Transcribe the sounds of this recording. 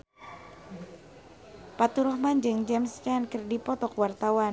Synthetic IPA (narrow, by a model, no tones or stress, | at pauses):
pat̪uɾɔhmand͡ʒɨŋd͡ʒɛmskankərdipɔt̪ɔkwart̪awa